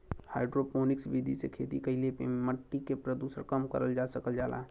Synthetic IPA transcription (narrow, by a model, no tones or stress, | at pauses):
ha̰ɪɖɾopoːnɪksbid̪ʱisekʰeːt̪ikəɦɪlepeməʈːikepɾəd̪uːsəɾkəmkə̰ɾəld͡ʒaːsəkəld͡ʒaːla̰ː